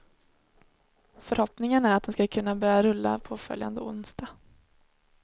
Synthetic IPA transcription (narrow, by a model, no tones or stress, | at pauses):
fœɾhɔpnɪŋənæɾat̪̚d̪ɛnskakʰɵnːabœɾjaɾɵlːa̰pʰɔfœ̰lja̰nd̪əʊ̰nst̪a